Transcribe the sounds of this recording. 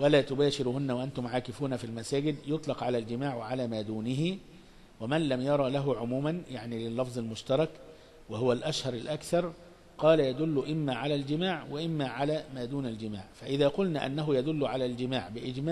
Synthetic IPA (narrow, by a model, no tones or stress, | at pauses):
wælæːt̪ʊbæːʃɪɾhʊnːæwaʔant̪ʊmʕaːkɪfuːnafilmæsaːɡɪd̪jʊt̪ˤlɑqʕalæːld͡ʒɪmaːʕwɪʕalæːmæːd̪uːnɪɦi | wɪmænlæmjɑɾˤɑlæɦʊʕʊmuːmanjaʕnilɪlːɑfzˤɪlmʊʃt̪ɑɾˤɑk | wɪhʊwalʔæʃhɑɾˤɪlʔækθɑɾˤ | qɑːlajæd̪ʊlːʊʔɪmːæːʕalæːld͡ʒɪmaːʕwɪʔɪmːæːʕalæːmaːd̪uːnald͡ʒɪma̰ːʕfæʔɪðæːqʊlnæʔa̰nːæɦʊjæd̪ʊlːʊʕalæːld͡ʒɪmaːʕbɪʔɪd͡ʒmaː